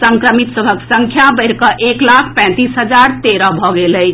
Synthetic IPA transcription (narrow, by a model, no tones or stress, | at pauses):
səŋkɾəmit̪səbʱəksəŋkʰjabəɪɾkəʔeklakʰpɛ̃t̪isɦəd͡ʒaɾt̪eɾɔbʱɔɡeləɪt͡ʃʰ